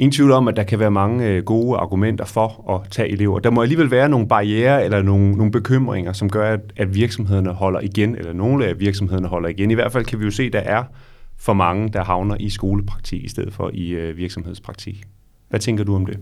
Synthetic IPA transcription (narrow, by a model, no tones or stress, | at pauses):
e̝nt͡sʰʋiʊ̰lˠɒ̽mæd̥ɑ̈kʰæʋæːɐmɑ̈ŋəɡ̥o̝ːɑ̈ɡ̥umen̰d̥ɐfɒ̽ | ɒ̽t͡sʰɛ̰ːʔe̝le̝ʊ̰ɐd̥ɑ̈mɒ̽æliːʋelʋæːɐno̝ːn̩b̥ɑ̈ieːɐelɐno̝ːno̝ːn̩b̥e̝kʰøm̰ʁeŋɐsɒ̽mɡ̥ɶɐæ̥æd̥ʋiɐɡ̥sɒ̽mɦeð̰ˠɐnəɦɒ̽l̰ɐʔiɡ̥enelɐno̝ːləæʋiɐɡ̥sɒ̽mɦe̝ðˠnəɦɒ̽l̰ɐiɡ̥eniʋæɐ̰d̥fæl̰kʰæʋijo̝se̝̰ːd̥ɑ̈ʔæɐ | fɒ̽mɑ̈ŋəd̥ɑ̈ɦɑ̈ʊnɐʔisɡ̥o̝ːləpʰʁɑ̈ɡ̥̚t͡sʰḭɡ̥isd̥eð̰̩ˠfɒ̽ʔiʋiɐɡ̥sɒmhe̝ð̞̰ˠspʰʁɑ̈ɡ̥t͡sʰḭɡ̥ | ʋæt͡sʰeŋɡ̥ɐduɒ̽md̥e̝